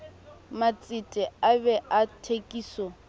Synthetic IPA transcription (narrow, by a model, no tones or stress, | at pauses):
mat͡sʼitʼɛabɛʔatʰekʼiːsɔ